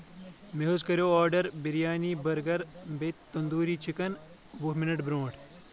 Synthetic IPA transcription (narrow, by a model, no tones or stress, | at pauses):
meɦoːzkɐɾjoːaːɾɖɐɾbiɾjaːniːbɐɾɡɐɾbet̪t̪ːɐnd̪uːɾiːt͡ʃʰikɐn | ʋuɦminɐʈbɾõːʈ